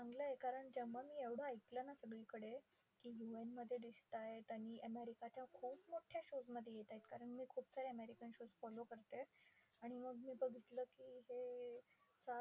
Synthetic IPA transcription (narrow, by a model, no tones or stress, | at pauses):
t͡saŋɡləekaɾəɳd͡ʑəʋamiːeʋɽ̤əːjk̪lənasəɡɭiːkəɽe | kiːjuenməd̪ʱːjed̪ist̪ajet̪aɽ̃iːʔəmeɾikat͡ɕjakʰuːpmoʈʰjaɕod͡zməd̪ʱːjejet̪ajt̪kaɾəɳmiːkʰuːpsaɾeəmeɾikənɕod͡zfɔlokəɾt̪e | aɽ̃iməɡmiːbəɡʱit̪ləːkiːɦe | sa